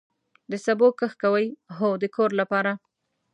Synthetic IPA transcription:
d̪əsabokəxkawəjɦod̪əkʰoɾlapɑɾa

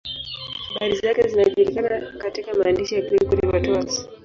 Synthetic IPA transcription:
haɓaɾizakɛzinaʄuɾikanakatikamaːndiʃijakikuɾiwatuasi̥

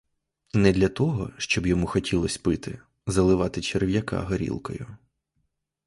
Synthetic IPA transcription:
nɛd̪lʲɐt̪ɔɦɔ̰ʃt͡ʃɔbjɔmuxɔtʲilˠɔsʲpɪt̪ɪ̰ | zɐlˠɪʋɑt̪ɪt͡ʃerʋʲjɐka̰ɦɐɾʲḭlˠkɔ̰jʊ

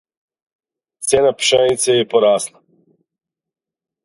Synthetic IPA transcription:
t̪seːnapʃɛnit̪sɛjɛpɔɾaːsna

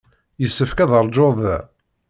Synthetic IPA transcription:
jəsːəfkæðəɾˤd͡ʒoðˤ

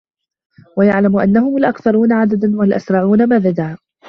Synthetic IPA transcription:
wajaʕlamʔanːahʊmalʔakθɑɾˤuːnaʕad̪ad̪anwalʔa̰sɾˤɑʕuːnamaðad̪aː

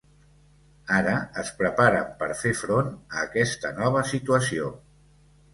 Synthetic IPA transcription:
aɾəːspɾəpaɾə̰mpəɾfefɾonəːkɛst̪ənɔβ̞əsit̪uəsio

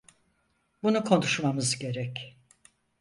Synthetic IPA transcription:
bunukʰo̞nuʃmamɯzɟe̞ɾɛc

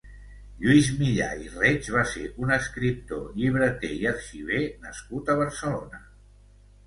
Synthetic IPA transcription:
ʎuizmiʎa̰irɛd͡ʒβasḛʔunəskɾip̚t̪o̰ʎiβɾət̪eiəɾʃiβ̞enəskut̪əβəɾsəlonə

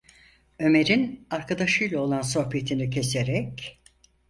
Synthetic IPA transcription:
ø̞me̞ɾinaɾkʰad̪aʃɯjlˠaolˠanso̞hpʰe̞t̪ʰinicʰe̞seɾɛc

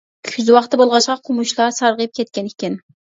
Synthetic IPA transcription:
kʲʰyzwɑχt̪ːɨbolˠʁɑʃqɑqʰʊmuʃlˠɑsɑɾʁɨp̚kʲʰɛt̪̚kʲɛnɪkʲɪn

